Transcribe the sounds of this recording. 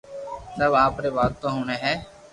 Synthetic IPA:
səbaːpɾeːbaːt̪t̪õːɦoːneːɦɛː

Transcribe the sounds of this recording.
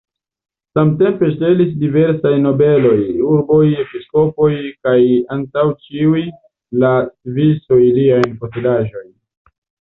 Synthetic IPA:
samte̞mpe̞ʃte̞lisdive̞ɾsajno̞be̞lo̞juɾbo̞je̞pisko̞po̞jkajantawt͡ʃiuj | latviso̞jliajnpotelaʒo̞jn

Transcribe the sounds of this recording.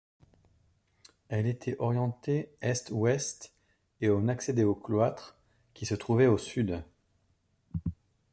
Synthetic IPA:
ɛlet̪ʰɛʔɔʁjɑ̃t̪eɛst̪wɛst̪ | eɔ̃naksed̪eoklwat̪χ | kʲisət̪χuvɛosyd̪

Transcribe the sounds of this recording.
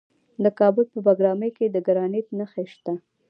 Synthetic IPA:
d̪əkɑbʊlpəbaɡɾɑməjked̪əɡaɾɑnɪt̪naxeʃt̪a

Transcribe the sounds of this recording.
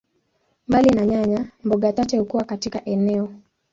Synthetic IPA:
mbalinaɲaɲambɔɡatat͡ʃɛukuwakatikaʔɛnɛɔ

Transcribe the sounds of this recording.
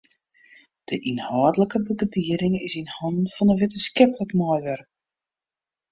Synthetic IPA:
d̥əʔinhaːdələkəbəɡədiəɾɪŋɪsinhɔndnfɔnəʋɪtənskɛpələkmɔjʋər

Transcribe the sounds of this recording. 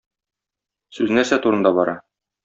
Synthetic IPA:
sʉznæɾsæt̪uɾɤ̆nd̪ɑbɒɾɑ

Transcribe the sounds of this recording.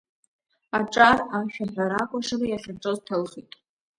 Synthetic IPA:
aʈ͡ʂʼaraʃᶣaħʷᶣaɾakʷʼaʂalajaχʲarʈ͡ʂʼoztʰɨlχitʼ

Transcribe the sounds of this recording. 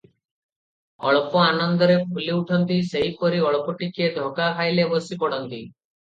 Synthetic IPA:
ɔɭpɔanɔnd̪ɔɾekʰuliuʈʰɔnt̪iseɦipɔɾiɔɭpɔʈiked̪ʱɔkakʰajlebɔsipɔɽɔnt̪i

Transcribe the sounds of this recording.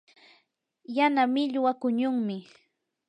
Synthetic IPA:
janamɪʎwakʊɲʊŋmɪ

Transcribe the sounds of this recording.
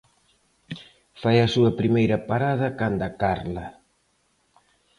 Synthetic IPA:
fajɐsuɐpɾimejɾɐpaɾaðɐkand̪ɐkaɾlɐ

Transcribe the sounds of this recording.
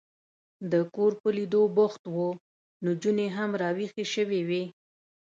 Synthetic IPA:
d̪əkoɾpəlid̪oboxt̪wo | nod͡ʒuneɦamɾɑwixeʃəwewi

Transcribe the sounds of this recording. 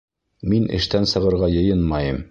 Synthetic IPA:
minɘ̰̆ʃt̪ænsɤ̆ʁɤ̆ɾʁɑjɤ̆jɤnmɑjɤm

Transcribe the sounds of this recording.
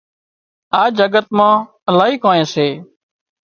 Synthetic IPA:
aːd͡ʒəɡət̪mãː | əlaːɦiːkõːẽːseː

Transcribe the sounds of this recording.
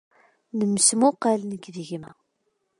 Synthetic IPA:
nəmːsmʊqːalnəɡðəʝmæ

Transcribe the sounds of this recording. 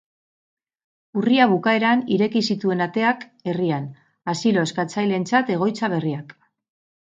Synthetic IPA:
uriaβ̞ukae̞ɾaniɾe̞kisit̪ue̞nat̪e̞ake̞rian | asilo̞e̞skat͡sajle̞nt͡sat̪e̞ɣ̞o̞jt͡saβ̞e̞riak

